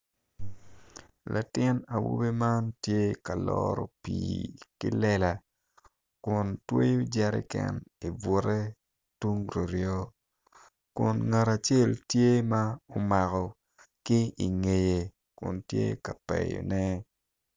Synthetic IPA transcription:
lʔa˨tɪ˦na˨wu˦be˦ma˦ntje˦ka˨lɔɾɔ˨piːkḭ˦lɛ˦la˨ | kʊ˨ntwe˦jo˦d͡ʒɛ˦ɾḭ˦kɛ̰˦ni˨bʊ˨˦ɾɛ˦ | tu˦ŋɾo˨ɾjɔ˦ | kʊ˨nŋa˨ɾa˨t͡ʃe˦˨ltje˦ma˦ʊ˦ma˨kɔ˨ | kɪ˦i˨ŋe˨je˨ | kʊ̰˨ntjḛ˦ka˨pɛ̰˨jo̰˨nɛ˦

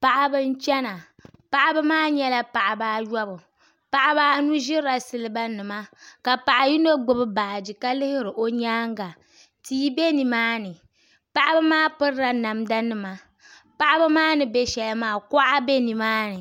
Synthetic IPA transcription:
pa˨ʔa˨bɨ˦n̩˦t͡ʃɛ˦na˨ | pa˨ʔa˦bɨ˦maː˦ɲɛ˦la˦pa˨ʔa˨baː˦jɔ˦bʊ˨ | pa˨ʔa˨baː˦nu˦ʒɪ˦ɾa˦sɨ˨lɨ˦ba˦nɨ˨ma˦ka˨pa˨ʔa˨ji˦no˦ɡ͡bɨ˨bɨ˦baː˨d͡ʒi˨ka˦lɨ˦hɪ˦ɾɨ˨ʔo˦ɲaː˦ŋ˦ɡa˨ | tiː˦be˦ni˨maː˦nɨ˨ | pa˨ʔa˦bɨ˦maː˦pɨ˦ɾɾa˨na˨mda˦nɨ˨ma˨ | pa˨ʔa˦bɨ˦maː˦nɨ˨bɛ˦ʃɛ˨lmaː˦˨kɔ˦ʔa˦bɛ˦ni˨maː˦nɨ˨

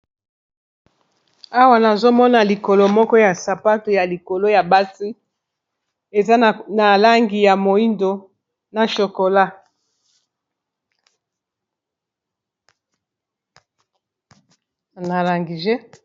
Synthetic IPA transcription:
a˦wa˦na˨zo˦mɔ˦na˨li˨ko˨lo˨mɔ˦kɔ˦ja˨sa˨pa˦to˨ja˨li˨ko˨lo˦ja˨ba˦si˦ | e˨za˦˨na˨la˦ŋɡi˨ja˨mo˨i˦ndo˨ | na˨ʃo˨ko˨la˦ | na˨la˨ŋɡi˨ʒe˦

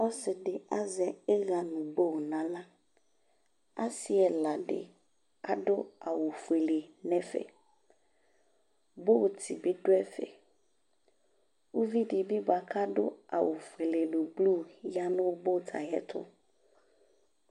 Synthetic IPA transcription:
ɔ˦sɪ˨ɖe˨a˦zɛ˨ɛ˦ɣa˨nũ˨bo˦wo˨nã˨la˦ | a˦si˦ɛ˨la˨ɖɪ̰˨ | a˦ɖʊ˦a˨wo˨fu˨e˨le˨nɛ̃˦fɛ̰˨ | bo˦wt̪ʰi˨be˦ɖo˦ɛ˦fɛ̰˨ | wo˦vi˦ɖi˨bi˦ba˨kʰa˦ɖʊ̰˦a̰˨wo˨fu˨e˨le˨lo˨blu˦˨ja˦nʊ̃˦wo˦bo˦˨t̪ʰa̰˨jɛ̰˦t̪ʰʊ̰˦

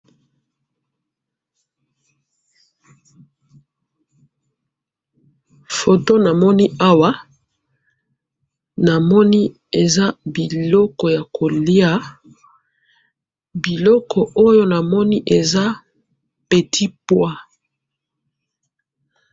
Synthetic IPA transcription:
fo˨to˦na˨mɔ˦ni˦a˦wa˦ | na˨mɔ˦ni˦ | e˨za˦bi˨lɔ˦kɔ˨ja˨kʰo˨li˦a˦ | bi˨lɔ˦kʰɔ˨ʔo˦jo˦na˨mɔ˦ni˦ʔe˨za˦ | pe˨tʰi˦pwa˦

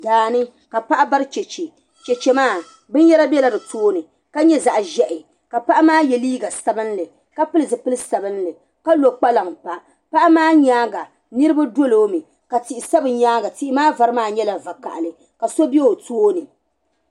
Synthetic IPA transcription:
daː˨nɨ˦ | ka˨pa˦ʔa˦ba˦ɾɨ˦t͡ʃɛ˨t͡ʃe˨ | t͡ʃɛ˨t͡ʃɛ˨maː˦˨ | bɨ˦n˦jɛ˦la˦bɛ˦la˨dɨ˨toː˦nɨ˨ | ka˦ɲɛ˦za˨ʔʒɛ˦ʔɪ˨ | ka˨pa˦ʔa˦maː˦jɛ˨liː˦ɡa˨sa˨bɨ˦n˦lɨ˨ | ka˦pɨ˦lɨ˨zɨ˨pɨ˦lɨ˦sa˨bɨ˦n˦lɨ˨ | ka˦lo˨k͡pa˦la˨ŋpa˨ | pa˦ʔa˦maː˦ɲaː˦ɡa˨ | nɨ˦ɾɨ˦ba˦do˦loː˦mi˨ | ka˨ti˨i˨sa˦bɨ˨ɲaː˦ɡa˨ti˦ʔɪ˦maː˦va˨ɾɨ˦maː˦ɲɛ˦la˨va˨ka̰˨ʔlɨ˨ | ka˨so˦bɛ˦o˨toː˦nɨ˨

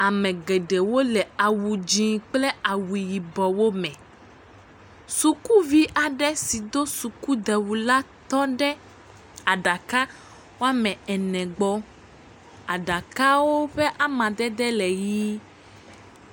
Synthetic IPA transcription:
a˨mɛ̃˨ɡɛ˨ɖe˨wo˦lɛ˨a˨wu˨d͡ʑĩ˦k͡plɛ˦a˨wi˨ji˨bɔ˨wo˦mɛ̃˨ | su˨ku˦vi˦ʔa˨ɖɛ˦si˨d̪o˦su˨ku˦d̪ɛ˨wu˨la˦t̪ɔ˦ɖɛ˦ | a˨ɖa˨ka˦ | wo˦a˦mɛ̃˨ɛ˨nɛ̃˨ɡ͡bɔ˦ | a˨ɖa˨ka˦wo˦ɸɛ˦ʔa˦mã˨d̪ɛ˦d̪ɛ˦lɛ˨ji˦

